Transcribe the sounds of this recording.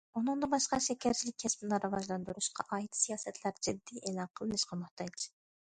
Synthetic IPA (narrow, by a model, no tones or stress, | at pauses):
unɨŋd̪ɑbɑʃqɑʃɛkʲʰæɾt͡ʃʰilɪkʲʰːɛspnɨɾɨvɑʒlˠɑnd̪uɾuʃqʰɑ̰ʔɑːjit̪ʰɨ̥sijɑːsɛt̪ʰlæɾd͡ʒɪd̪ːiʔelˠɑnqʰəlˠɨnɨʃqʰɑmʊht̪ɑjt͡ʃ